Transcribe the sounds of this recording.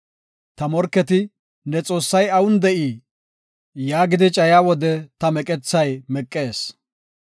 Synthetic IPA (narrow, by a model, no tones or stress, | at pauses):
t̪ɐmɔɾkːɛt̪ɪ | nɛt͡sʼo̞ːsːɐjɐwʊnd̪ɛʔiː | jaːɡɪd̪ɪt͡ʃʼɐjaːwɔd̪ɛt̪ɐmɛkʼɛt͡sːɐjmɛkʼːe̞ːs